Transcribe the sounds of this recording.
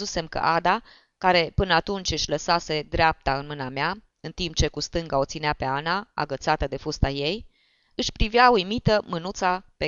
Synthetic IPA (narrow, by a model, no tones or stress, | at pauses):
use̞mkə̰ʔad̪a | kaɾe̞pɨnəat̪unt͡ʃʲɨʃʲləsase̞d̪ɾeap̚t̪aɨnmɨnamea | ɨnt̪imp̚t͡ʃe̞kust̪ɨŋɡao̞t̪sineape̞anaa̰ɡət̪sat̪əd̪e̞fust̪aje̞j | ɨʃpɾivjaujmit̪əmɨnut̪sape